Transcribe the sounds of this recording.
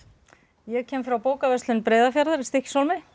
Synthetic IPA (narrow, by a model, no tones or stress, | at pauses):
jɛɣcʰɛːmfɾawpoːwkavɛst̪lɪnpɾeːðafjaɾðaɾɪst̪ɪhcsowlmɪ